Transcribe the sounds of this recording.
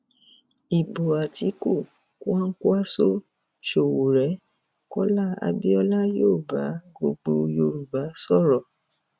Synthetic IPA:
i˨bo˨a˨ti˨˦ku˦˨ | ku˦ã˦ŋ̩˦ku˦a˦so˦ | ʃo˨wo˨ɾɛ˨˦ | kɔ˦la˦a̰˧bi˦ɔ˧la˦joː˦˨ba˨˦ɡo˧ɡ͡bo˧jo˧ɾu˨ba˨˦sɔ˦˨ɾɔ˨

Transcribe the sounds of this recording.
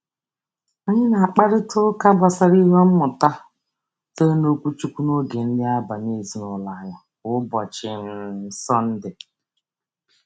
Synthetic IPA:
a˦ɲɪ˦na˨a˨k͡pa˦ɾɪ˦tʊ˦ka˦ba˨sa˦ɾi˦ɦe˦m̩˦mʊ˨ta˦ | te˦no˦kʷu˦t͡ʃu˦kʷu˦no˦ɡe˨n̩˦dɪ˦a˦ba˨ne˦˨zi˨nʊ˨la˨ja˨ | ʊ˦bɔ˨t͡ʃɪ˨n̩˨˦˨sɔ˦n̩˦dɪ˨

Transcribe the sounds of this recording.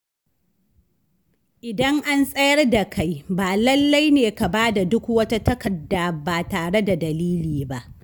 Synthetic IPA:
ʔɪ˨dɐ˦ŋʔa˦nsʼɐ˦jɐ˦rda˨kʰa˦jbaː˨lɐ˦lːa˦jneː˨ka˨baː˦da˨dʊ˦kwɐ˦ta˦tɐ˦kɐ˨dːa˨baː˨taː˨ɽe˦da˨dɐ˨liː˦liː˨ba˦ʔ

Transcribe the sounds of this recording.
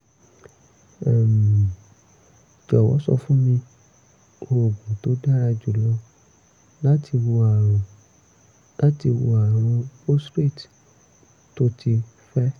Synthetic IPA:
ɛ˨m̃ĩ˨ | d͡ʒɔ˨wɔ̰˨˦sɔ̰˧fũ˦mĩ˧ | o˧o˨ɡũ˨to˨˦da˦ɾa˧d͡ʒu˨lɔ˧ | la˦tʰi˧wo˧a˨ɾ̃ɔ̃˨ | la˦ti˧wo̰˧a˨ɾ̃ɔ̃˧po˦stɾe˦˨t | to˦ti˧ | fɛ˦

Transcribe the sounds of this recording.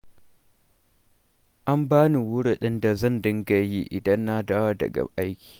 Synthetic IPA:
ʔa˦mbaː˦ni˨wʊ˦ɽi˨ɗɪ˦nda˨zɐ˦˨ndɪ˦ŋɡa˨ji˦ʔɪ˨dɐ˦nːa˦daː˦wa˦dɐ̰˨ɡa̰˨ʔa˦jkʲi̥ː˨

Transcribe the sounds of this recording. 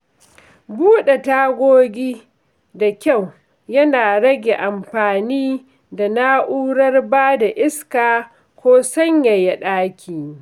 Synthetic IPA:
buː˦ɗe˨taː˦ɡʷoː˦ɡʲiː˦ | da˨kʲa˦˨w | jɐ˦naː˨ɽɐ˦ɡʲe˨ʔa˨mɸaː˨niː˦ | da˨na˦ʔuː˦ɽɐ˦rbaː˦da˨ʔɪ˦skaː˨ | kʷoː˦sɐ˦ɲja˨ja˨ɗaː˦kʲʰiː˨

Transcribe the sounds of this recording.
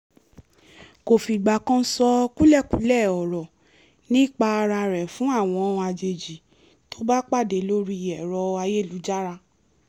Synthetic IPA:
ko˨fi˨ɡ͡ba˨kã˧˦sɔ˧ku˦lɛ˦˨ku˨˦lɛ˦˨ɔ˨ɾɔ˨ | nĩ˦˨k͡pa˧ɾa˧ɾɛ˨fũ˨˦a˦˨w̃ɔ̃˧˦˧a˧d͡ʒe˨d͡ʒi˨ | to˦ba˦k͡pa˦˨de˨˦lo˦ɾi˧˨ɛ˨ɾɔ˨˧a˧je˦˨lu˨˦d͡ʒa˦ɾa˧

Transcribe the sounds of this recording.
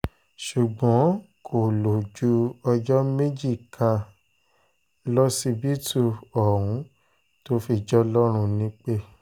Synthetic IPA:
ʃu˨ɡ͡bɔ̃˨˦kʰo˨lo˨d͡ʒu˨˦ɔ˧d͡ʒɔ˦me˦d͡ʒi˦˨kʰa˧ | lɔ˦si˧bi˦tu˧ɔ˨ɾ̃ũ˨˦ | to˦fi˧˨d͡ʒɔ˦lɔ˦ɾ̃ũ˧nĩ˦k͡pe˦

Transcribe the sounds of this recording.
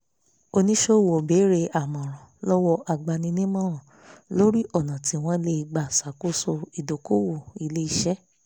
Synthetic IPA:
o˧nĩ˦ʃo˦˨wo˨be˨˦ɾe˧a˨mɔ̃˨ɾ̃ã˨lɔ˦wɔ˧ʔa˨ɡ͡ba˧nĩ˧nĩ˦mã˦ɔ̃˨ | lo˦ɾi˦ʔɔ˦˨nã˨ti˨˦w̃ɔ̃˧le˧i˧˨ɡ͡ba˨sa˨ku˦so˧i˨do˨ko˦˨wo˨i˨le˦i˨ʃɛ˦

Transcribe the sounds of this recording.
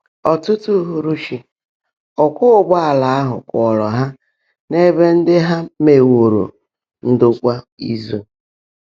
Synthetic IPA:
ɔ˨tʊ˦tu˦ɦu˨ɾu˦ʃi˨ | ɔ˨kʷʊ˦˨ɡ͡ba˦a˨la˨a˦ɦʊ̰˨kʷɔ˨ɾɔ˨ɦa˦ | ne˦be˦n̩˦dɪ˦ɦa˦me˨wo˨ɾo̰˨ | n̩˦dʊ˦kʷa˦ | i˦zu˦

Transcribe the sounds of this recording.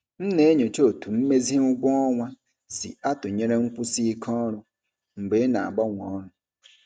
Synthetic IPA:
n̩˦ne˦ɲo˨t͡ʃo˦˨tu˨m̩˦me˦zi˦ŋʊ˦ɡʷɔ˦ɔ˦ŋʷa˦ | sḭ˨a˦tʊ˨ɲe˦ɾe˦ŋ̩˦kʷʊ˦si˦i˦kʰɔ˦ɾʊ˦ | ŋ͡m̩˨ɡ͡be˨˦na˨a̰˨ɡ͡bɔ˦ŋʷɔ˨˦ɾʊ˨

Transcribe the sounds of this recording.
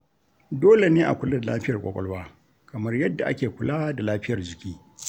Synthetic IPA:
doː˦le˨neː˦ʔa̰˨kʷʊ˦lɐ˦dlaː˦ɸɪ˦jɐ˨rkʷʼɔ̰˦kʷʼɔ̰˦lwaː˦ | kɐ˨mɐ˦rjɐ˦dːa˨ʔa̰˦kʲeː˨kʷʊ˦laː˦da˨laː˦ɸɪ˦jɐ˨rd͡ʒɪ˨kʲiː˦

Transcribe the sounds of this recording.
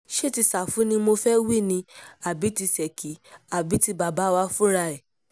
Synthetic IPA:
ʃe˦˨ti˧sa˨fũ˨˦nĩ˧mo˧fɛ˦wi˦˨nĩ˧a˨bi˨˦ti˧sɛ˨kʰi˨˦a˨bi˨˦ti˧ba˨ba˨˦wa˧fũ˦ɾa˧ɛ˨

